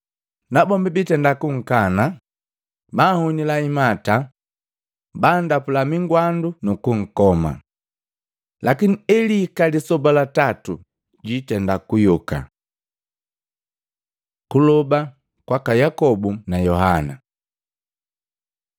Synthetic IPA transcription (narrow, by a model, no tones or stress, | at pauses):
nabɔmbibitɛndakuŋ̩kana | bahuɲilaimata | baːndapulamiŋɡwandunukuŋ̩kɔma̰ | lakiniɛlikalisɔbalatatu | ɟitɛndakujuka̰ | kulɔba | kwakajakɔbunajɔɦana̰